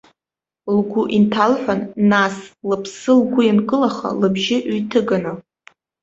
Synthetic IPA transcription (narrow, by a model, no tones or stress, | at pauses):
lɡʷuʔintʰalħʷanːaslɨpʰsɨlɡʷʊjankʼɨlaχa̰lɨbʒɪʔɥtʰɨɡanɨ